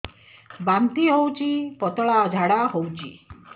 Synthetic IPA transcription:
bant̪iɦowt͡ʃipɔt̪ɭad͡ʒʱaɽaɦowt͡ʃḭ

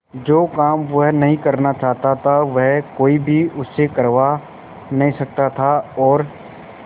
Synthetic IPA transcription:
d͡ʒoːkaːmʋɛɦnɐɦĩkɐɾnat͡ʃaːɦt̪at̪aʋɛɦkoːibʱiʊsːekɐɾʋa | nɐɦĩsɐk̚t̪at̪ʰaɔːɾ

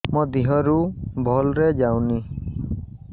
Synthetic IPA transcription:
mɔd̪iɦɔɾubʱɔlɾed͡ʒaw̃ni

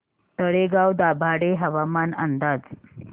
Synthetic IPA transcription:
t̪əɽeɡawd̪abʱaɽeɦəʋamanənd̪ad͡z

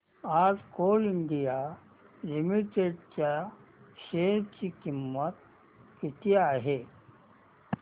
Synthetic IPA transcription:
ad͡zkoliɳɖija | limiʈeɖt͡ɕjaɕeɾt͡ɕiːkimːət̪̚ | kit̪ʰjaɦe

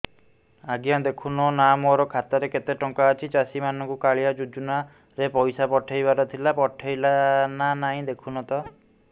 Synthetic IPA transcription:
aɡjad̪ekʰunɔnamɔɾɔkʰat̪ɔɾeket̪eʈɔŋkaːt͡ʃʰit͡ʃasimanɔ̃ŋkukaɭiad͡ʒud͡ʒuna | ɾepɔjsapɔʈʰajbaɾɔt̪ʰilapɔʈʰajlananaɦĩd̪ekʰunɔt̪ɔ

